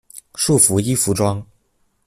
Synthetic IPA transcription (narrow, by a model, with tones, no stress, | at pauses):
ʂu˥˩fu˧˥i˥fu˧˥ʈ͡ʂwɑ˥ŋ